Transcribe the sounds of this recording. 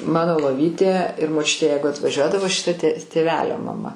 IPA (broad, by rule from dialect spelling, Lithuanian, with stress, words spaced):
ˈmɑːnoː lˠoːˈʋʲiːtʲeː ɪr moːˈt͡ʃʲʊtʲeː ˈjɛɪɡʊ ɐtʋɐˈʒʲuɔdɐʋoː ʃʲɪˈtɐ tʲeː tʲeːˈʋʲæːlʲoː mɐˈmɐ